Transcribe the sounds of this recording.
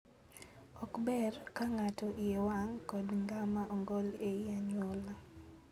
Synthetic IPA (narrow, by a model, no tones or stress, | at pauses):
ɔkbɛrkaŋatɔʔɪjewaŋkɔdŋɡamaʔɔŋɡɔlejaɲwɔla